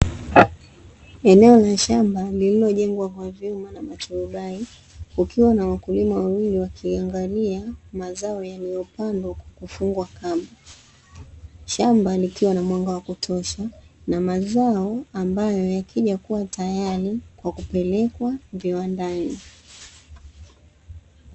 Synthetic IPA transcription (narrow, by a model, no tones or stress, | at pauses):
ɛnɛɔlaʃambalililɔʄɛŋɡwakwavjumanamat͡ʃɔuɓai | ukiwanawakulimawawiliwakʰiaŋɡaliamazaɔjalijɔpandɔkwakufuŋɡwakama | ʃambalikiwanamwaŋɡawakutʰɔʃanamazaɔambajɔjakʰiʄakuwatʰajaɾikwakupɛlɛkwaviwandani